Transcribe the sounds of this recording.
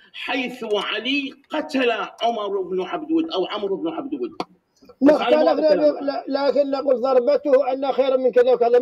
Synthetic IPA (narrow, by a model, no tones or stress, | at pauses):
ħajθwʕaliqɑt̪alaʕʊmɑɾˤɪbnuʕabd̪wɪd̪ʔawʕʊmɾˤʔɪbnuʕabd̪wɪd̪ | maxaːlafnaalaːkɪnːaquːlðˤɑɾˤbat̪ʊhʔanːaxejɾamːɪnkɪðawkaða